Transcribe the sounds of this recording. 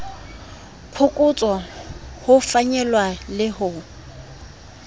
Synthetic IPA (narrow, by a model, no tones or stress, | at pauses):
pʰʊkʼʊt͡sʼɔhʊfaɲɛlwalɪhʊ